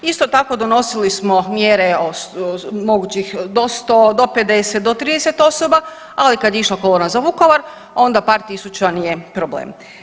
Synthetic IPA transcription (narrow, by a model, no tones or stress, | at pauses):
ist̪ot̪ako̞d̪o̞no̞silismomjeɾeosmo̞ɡuːt͡ɕixd̪ost̪od̪o̞ped̪eset̪̚d̪ot̪ɾiːd̪eset̪o̞soba | alikad̪jeiʃlakolˠoːnazaʋuko̞ʋaɾ | o̞nd̪apaːɾt̪isut͡ɕanijepɾoblḛːm